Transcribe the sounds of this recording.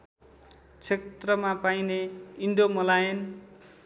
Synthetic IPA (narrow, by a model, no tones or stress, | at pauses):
t͡sʰet̪rʌmapajneiɳɖomʌlajen